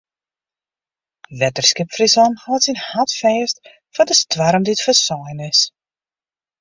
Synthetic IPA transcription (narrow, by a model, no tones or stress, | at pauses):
ʋɛtərskɪpfrisɔnhaːtsinhatfɛːst | fɔdəstʋaɾmdiətfərsɔjnɪs